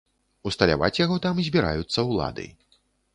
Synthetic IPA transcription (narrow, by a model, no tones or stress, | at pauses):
ust̪ɐlʲa̰va̰t͡sʲjaɣɔt̪amzʲbʲiɾa̰jut̪sːɐwlˠa̰d̪ɨ̰j